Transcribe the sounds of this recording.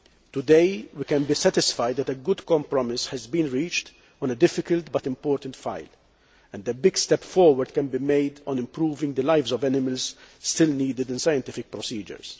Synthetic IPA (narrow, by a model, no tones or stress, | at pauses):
t̪ʊd̪eɪwikɛ̃nbisɛt̪ɪsfajd̪ːɛt̪ɛɡʊd̪kɔ̃mpɾɔmɪshɛzbĩːnɹiːt͡ʃt̪ | ɔ̃nəd̪ɪfɪkəlt̪bɐt̪ɪ̃mpɔːɾt̪ə̃nt̪fa̰ɪl | ɛ̃nd̪əbɪɡst̪ɛpfɔːɾwəɾd̪̚kɛ̃nbimeɪd̪ɔ̃nɪ̃mpɾuːvɪ̃ŋɡd̪əlaɪvzɔvɛnɪməlz̥st̪ɪlniːd̪ɪd̪ɪ̃nsajɛ̃nt̪ɪfɪk̚pɾɔsiːd͡ʒə̰ɾs